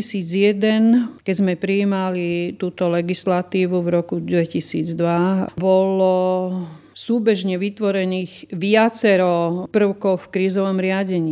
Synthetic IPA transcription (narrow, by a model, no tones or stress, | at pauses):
isiːd͡zjɛd̪ɛnkɛɟzmɛpɾiːmalit̪uːt̪ɔlɛɡislat̪iːʋuvɾɔkud̪ʋɛcisiːd͡zd̪ʋabɔlɔ | suːbɛʒɲɛʋit̪ʋɔɾɛniːɣʋɪat͡sɛɾɔpr̩ʊkɔʊfkɾiːzɔʋɔmɾɪaɟɛɲiː